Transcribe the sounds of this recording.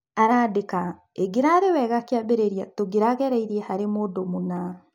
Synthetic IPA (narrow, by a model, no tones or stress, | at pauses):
aɾaːdeka | eɡeɾaɾewɛɣakeabeɾeɾiatoɡeɾaɣɛɾɛiɾiɛhaɾemoːdomona